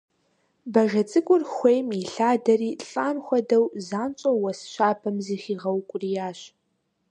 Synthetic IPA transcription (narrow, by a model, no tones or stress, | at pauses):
bɐʒɐt͡sʼɨkʷʼʊrxʷejmiɬaːdɐriːɬʼaːnxʷɐdɐwzaːnt͡ʃʼɐwɐsɕaːpʰɐmziːxiːʁɐwkʷʼʊrijaːɕ